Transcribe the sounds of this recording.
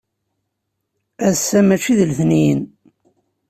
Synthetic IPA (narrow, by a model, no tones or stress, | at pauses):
æðsːæmæt͡ʃiðəlθnijən